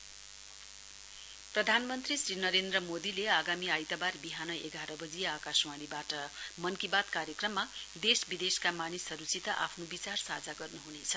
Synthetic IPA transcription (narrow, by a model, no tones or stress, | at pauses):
prʌd̪ʱanmʌnt̪risrinʌɾend̪rʌmod̪ileaɡamiajt̪abarbiɦanʌeɡaɾʌbʌd͡zijʌakasmanibaʈʌmʌnkibat̪kaɾjʌkrʌmːad̪esbid̪eskamanisʌɾut͡sit̪ʌʔa̰pʰnobit͡sarsad͡zaɡʌrnuɦunet͡sʰʌ̥